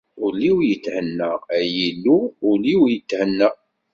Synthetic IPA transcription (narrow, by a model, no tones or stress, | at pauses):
ʊliwjət̪ːhənːəæjilːuːliwjət̪ːhənːə